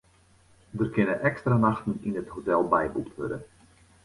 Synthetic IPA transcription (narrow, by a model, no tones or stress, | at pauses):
dərkɪnəʔɛkstranaxtəninətɦotɛlˠbɛjbuktʰʋø̰rdən